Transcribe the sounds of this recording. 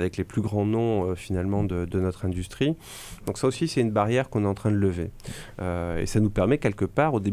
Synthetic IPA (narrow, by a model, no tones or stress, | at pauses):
vɛkleplyɡʁɑ̃nɔ̃øfinalmɑ̃d̪əd̪ənɔt̪χɛ̃d̪yst̪χi | d̪ɔ̃ksaosisɛynbaʁjɛʁkɔ̃nɛt̪ɑ̃t̪χɛ̃d̪ələveøḛsanupɛʁmɛkʲɛlkəpaʁod̪e